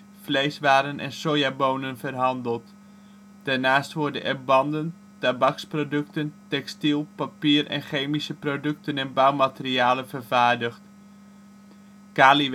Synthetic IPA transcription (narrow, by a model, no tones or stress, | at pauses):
flejsʋaːɾənʔɛ̰nsojaːbownənvərɦɑndəlˠt | d̥aːɹnaːstʋɔɹdənɛ̰ɹbɑndən | tabɑksprowdɵktəntɛkstilˠpapiːɾɛ̰nχejmisəprodɵk̚tənɛnbawmatɪriaːlənvəɹvaːɹdəχt | kaːli